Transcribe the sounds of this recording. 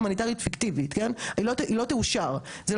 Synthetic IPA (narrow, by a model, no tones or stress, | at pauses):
manitaʁijut̪fikt̪ivit̪kenilotʔilo̞teuʃaʁ | ze